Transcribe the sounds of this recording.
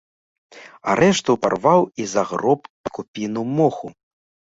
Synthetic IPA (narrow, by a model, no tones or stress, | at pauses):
a̰ɾʔɛʂt̪upa̰rvawizɐɣɾɔpkupʲinumɔxu